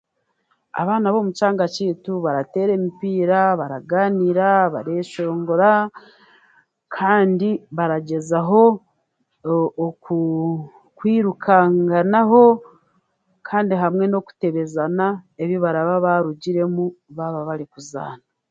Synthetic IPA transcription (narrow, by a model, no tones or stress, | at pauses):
a̰βaːnaβo̞mut͡ʃaːŋɡat͡ʃiːtuβaɾate̞ːɾe̞mipiːɾaβaɾaɡaːniɾaβa̰ɾe̞ːʃo̞ːŋɡo̞ɾa | kʰaːndiβaɾaɟe̞zaɦo̞ | ku | kwiːɾukʰaŋɡanaɦo̞ | kʰaːndiɦamŋe̞no̞ku̥te̞βe̞zanae̞βiβaɾaβaβaɾuɟiɾe̞muβaβaβaɾikuza̰ːna